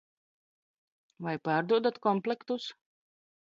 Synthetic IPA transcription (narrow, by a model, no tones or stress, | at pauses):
vajpaːɾd̪uɔd̪at̪kɔmplʲˠɛkt̪us